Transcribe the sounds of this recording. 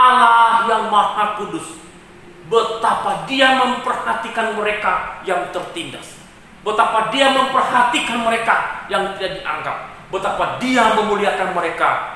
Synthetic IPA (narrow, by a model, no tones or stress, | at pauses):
ʔalahjaŋmahakudʊs | bət̪apadiaməmpərhat̪ikanməɾekajaŋt̪ərt̪inda̰s | bət̪apadiaməmpərhat̪ikanməɾekajaŋt̪idaʔdiʔa̰ŋɡa̰p̚ | bət̪apadiaməmuliakanməɾeka̰